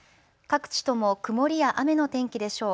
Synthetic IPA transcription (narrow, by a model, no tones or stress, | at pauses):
kakɯ̟̥t͡ɕi̥t̪o̞mo̞kɯ̟mo̞ɾʲijaʔame̞no̞t̪ẽ̞ŋkʲid̪e̞ɕo̞ː